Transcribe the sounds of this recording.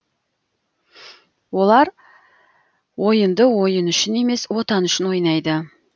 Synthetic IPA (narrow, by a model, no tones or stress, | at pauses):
wo̞lˠɑɾ | wo̞jənd̪əwo̞jənʏʃɪne̞me̞swo̞t̪ɑnʏʃɪnwo̞jnɑjd̪ə